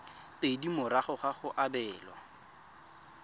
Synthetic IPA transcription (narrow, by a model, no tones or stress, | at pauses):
pʼedimʊɾaχʊχaχʊʔabɛːlwa̰